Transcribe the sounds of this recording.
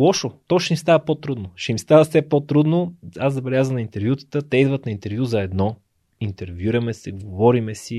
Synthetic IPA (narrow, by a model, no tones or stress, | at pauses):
lˠɔʃot̪ɔʃnist̪avəpot̪ɾud̪noʃɛimst̪avəfsɛpot̪ɾud̪noaszɐbɛlʲjazəmnint̪ɛɾvʲjut̪ə̥t̪ət̪ɛid̪vət̪nɐint̪ɛɾvʲjuzɐɛd̪nɔ | int̪ɛɾvʲjuɾɐmɛsɛɡovɔɾimɛsi